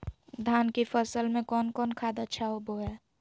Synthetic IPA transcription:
d̪ʱaːnkipʰəsəlmẽkɔːnkɔːnkʰaːd̪ətːʃʰaɦoboɦɛː

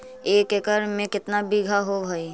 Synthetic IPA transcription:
eːkekəɾmẽkɪt̪nabiɡʱaɦoɡʱəi

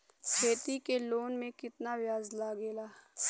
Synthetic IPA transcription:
kʰeːt̪ikeloːnmẽkɪt̪naʋjaːzlaːɡeːlaː

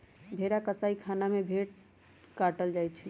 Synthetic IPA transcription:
bʱeɾakəsaikʰanamebʱeʈ̚ | kaʈəld͡ʒajt͡ʃʰi

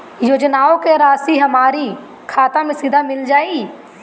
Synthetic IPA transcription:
joːd͡ʒnaːõkeɾaːsiɦɐmaːɾi | kʰaːt̪ãmẽsɪd̪ʱamɪld͡ʒaːi

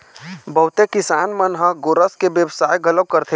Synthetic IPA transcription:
bəɦʊt̪ekɪsaːnmənɦə̃ɡoːɾəskebjəbsaːjɡələb̚kəɾt̪ʰe

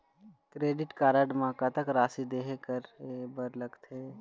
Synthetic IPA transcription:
kɾeːɖɪʈkaːɾaɖmãːkat̪ɐkɾaːsid̪eːɦkəɾebəɾlɐɡt̪ʰeː

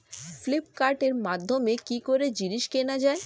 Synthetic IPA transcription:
flip̚kaɾʈeɾmad̪ʱːomekikoɾed͡ʑiniʃkenad͡ʑae

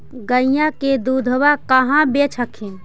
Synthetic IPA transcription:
ɡəjãked̪ud̪ʱəwakəɦãbet͡ʃʰəkʰin

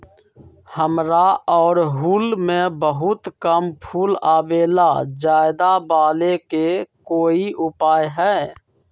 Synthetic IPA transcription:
həmɾaɔːɾɦuːlmẽbəɦʊt̪kəmpʰuːlaːbeːlad͡ʒaːɪd̪abaːlekekoːiʔʊpaːjɦɛː

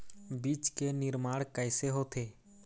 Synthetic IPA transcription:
biːt͡ʃkenɪɾmaːɽkəːɪseɦoːt̪ʰeː

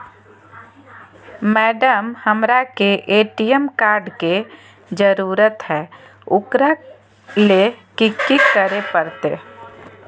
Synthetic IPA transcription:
mɛːɖəmhəmɾakeʔeːʈijəmkaːɾɖke | d͡ʒəɾuːɾət̪ɦɛː | ʊkɾa | lekikːikːəɾepəɾt̪e

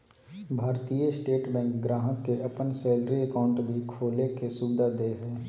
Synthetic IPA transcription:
bʱaːɾt̪ijesʈeːʈbɛ̃ːŋkɡɾaːɦəkːeʔəpənsɛːlɾiəkaːʊ̃ɳʈbʱikʰoːlekesuːbɪd̪ʱad̪eɦɛ̃ː

